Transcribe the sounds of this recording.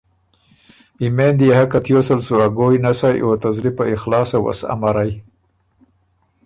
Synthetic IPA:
imend̪ihakat̪josalsuaɡojnasajʔat̪azɾipaixlɑːsawa̰sa̰maɾaj

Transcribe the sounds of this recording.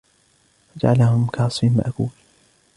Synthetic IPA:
fad͡ʒaʕalahʊmkaʕɑsˤfinma̰ʔakuːl

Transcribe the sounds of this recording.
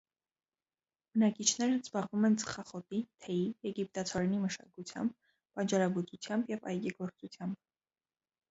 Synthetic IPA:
b̥ənɑkit͡ʃʰnɛɾəzbɑʁvumɛnt͡sə̥χɑχɔt̪it̪ʰɛjijɛɡip̚t̪ɑt͡sʰɔɾɛniməʃɑ̰kut͡sʰjɑ̰mb | pɑnt͡ʃɑɾɑɡut͡sut͡sʰjɑmbjɛvɑ̰jɡiɡɔɾt͡sut͡sʰjɑmb

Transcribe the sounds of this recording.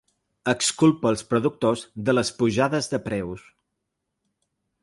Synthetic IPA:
əkskulˠpəːlˠspɾuðuk̚t̪ozðələspuʒaðəzðəpɾɛws

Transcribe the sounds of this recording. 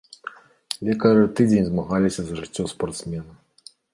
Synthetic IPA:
lʲɛkɐɾɨt̪ɨd͡zʲenʲzmaɣalʲisʲɐzɐʐɨt͡sʲːɔspɐrt̪smʲɛnɐ

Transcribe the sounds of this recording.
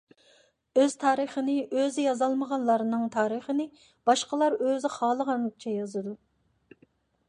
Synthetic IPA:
øz̥t̪ʰɑːɾəχənɨʔøzɪjɑzɑlˠməʁɑnlˠɑɾnɨŋt̪ʰɑːɾəχənɨ | b̥ɑʃqəlˠɑɾøzɪχɑːlˠəʁɑnt͡ʃʰɛjɑzɨd̪u

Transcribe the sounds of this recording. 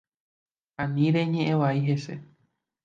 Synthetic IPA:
ãnĩɾe̞ɲẽʔẽʋaiɦe̞sḛ

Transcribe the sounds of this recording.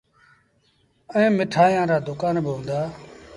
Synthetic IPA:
əẽːmɪʈʰaːjãːɾaːd̪ʊkaːnbɪɦõːnd̪aː

